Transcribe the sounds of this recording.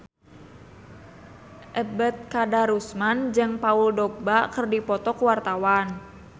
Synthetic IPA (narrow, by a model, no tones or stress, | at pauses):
ʔəbət̪̚kadaɾusmand͡ʒɨŋpauldɔk̚bakɨrdipɔt̪ɔkuwart̪awan